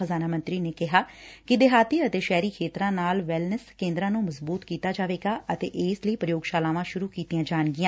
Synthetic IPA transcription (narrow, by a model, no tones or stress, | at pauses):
əzaːnaːmə̃nt̪ɾiːneːkɪɦaːkɪd̪eɦaːt̪iːət̪eːʃɛːɾiːkʰeːt̪ɾãːnaːlʋɛlnəskẽːnd̪ɾãːnũːməzbuːt̪kiːt̪aːd͡ʒaːʋeːɡaːət̪ḛːʔeːsləiːpɾəjoːɡʃaːlãːʋãːʃʊɾuːkiːt̪ijãːd͡ʒaːɳɡɪjãː